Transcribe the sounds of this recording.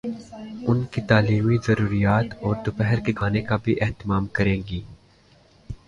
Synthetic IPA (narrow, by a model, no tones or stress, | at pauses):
ʊnkit̪aːliːmizɐɾuːɾijaːt̪ɔːɾd̪ʊpɛɦəɾkeɡʱaːnekabʱiʔɛɦt̪ɪmaːmkɐɾẽːɡiː